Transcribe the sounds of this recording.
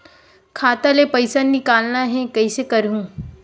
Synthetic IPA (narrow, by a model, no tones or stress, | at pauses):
kʰaːt̪alepəjsannikaːlnaɦẽkɐisekɐɾjũː